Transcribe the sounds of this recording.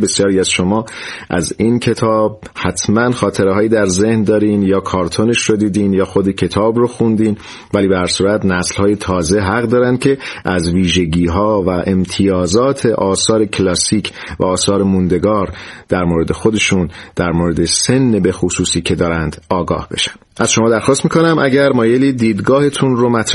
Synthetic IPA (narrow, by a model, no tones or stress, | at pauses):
be̞sjɒːɾiːæz̥ʃo̞mɒːʔæ̰zincʰe̞t̪ʰɒːb̥̚ | hæt̪ʰmænxɒːt̪ʰe̞ɾeɦɒːjiːd̪æɾze̞hnd̪ɒːɾiːnjɒːkʰɒːɾt̪ʰoneʃrod̪iːd̪iːnjɒːxod̪ecʰe̞t̪ʰɒːbroxund̪iːn | væliːbehæɾsuːɾæt̪næslhɒːje̞t̪ʰɒːze̞ɦæɣd̪ɒːɾæn̥cʰe̞ʔæzviːʒe̞ɟiːɦɒːvæʔemt̪ʰijɒːzɒːt̪ʰe̞ʔɒːsɒːɾe̞cʰlɒːsiːcʰ | væ̰ɒːsɒːɾemund̪e̞ɡɒːɾd̪̥æɾmoɾe̞d̪e̞xo̞d̪e̞ʃuːnd̪̥æɾmoːɾe̞d̪e̞se̞nːebexosuːsiːcʰe̞d̪ɒːɾænd̪̥ɒːɡɒ̰ːhb̥e̞̰ʃæ̥nʔæz̥ʃo̞mɒːd̪æɾxɒːst̪miːkʰo̞næmʔæɟæɾmɒːje̞liːd̪iːd̪ɡɒːhe̞t̪ʰunromæt̪ʰɾ